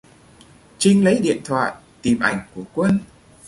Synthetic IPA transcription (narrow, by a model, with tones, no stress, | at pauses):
t͡ɕï˧ŋ̟lə˨˦jɗḭ˧˨ənt̪ʰwa̰ː˧˨j | t̪i˨˩mʔa˧˩jŋ̟ku˧˩əkwə˧n